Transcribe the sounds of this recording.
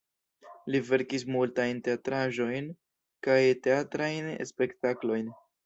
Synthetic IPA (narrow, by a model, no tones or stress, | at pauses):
live̞ɾkis̬multajnte̞atɾaʒo̞jn | kajte̞atɾajnḛspe̞ktaklo̞jn